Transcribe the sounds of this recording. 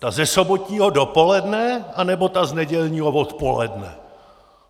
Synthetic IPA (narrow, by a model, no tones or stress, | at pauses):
t̪azɛsobot̪ɲiːɦo̞dopo̞lɛdnɛanɛbo̞t̪aznɛɟɛlɲiːɦovot̪po̞lɛ̰dnɛ̰